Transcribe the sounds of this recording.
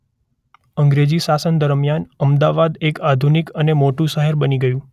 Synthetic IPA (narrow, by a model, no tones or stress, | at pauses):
əŋɡɾed͡ʒiʃasənd̪əɾmjanəmd̪aʋad̪ekad̪ʱunikənemoʈũʃəɦeɾbəniɡəjũ